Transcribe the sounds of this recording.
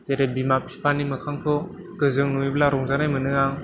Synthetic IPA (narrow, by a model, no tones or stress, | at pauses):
t̪eɾebimapi̥spʰanimɯkʰaŋkʰɯ | kɯzɯŋnuiblaɾɔŋzanajmɯnɯaŋ